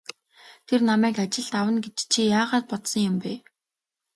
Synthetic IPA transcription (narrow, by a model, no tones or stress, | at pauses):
t̪ʰernamæːkat͡ɕɪ̆ɮt̪awə̆nɡet͡ɕt͡ɕʰijaːʁaːt̪̚pɔt̪sɞ̆ŋjʊmpeː